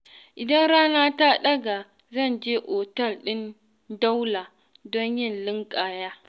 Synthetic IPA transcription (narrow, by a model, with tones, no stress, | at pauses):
ʔɪ˨dɐ˦nɾaː˦na˦ta˦ɗɐ˦ɡa˨ | zɐ˦˨nd͡ʒeː˦ʔo˨tɐ˦˨lɗɪ˦n | da˦wla˨ | dɔ˦ɲjɪ˦˨nlɪ˦ŋkʼa˨jaː˦